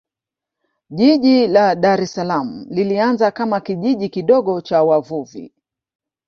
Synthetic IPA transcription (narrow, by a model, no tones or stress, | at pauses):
ʄiʄilaɗaɾɛsalam̩lilianzakamakiʄiʄikiɗɔɠɔt͡ʃawavuvḭ